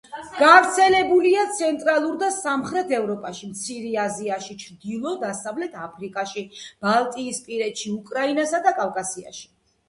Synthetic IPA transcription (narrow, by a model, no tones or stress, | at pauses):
ɡ̥avɾt̪sʰɛlɛbuliat̪sʰɛnt̪ʼɾalˠuɾd̪asamχɾɛt̪ʰɛvɾɔpʼaʃimt̪sʰiɾiaziaʃit͡ʃʰd̪ilˠɔd̪asavlɛt̪ʰapʰɾikʼaʃib̥alˠt̪ʼiːspʼiɾɛt̪ʃiukʼɾainasad̪akʼavkʼasia̰ʃi̥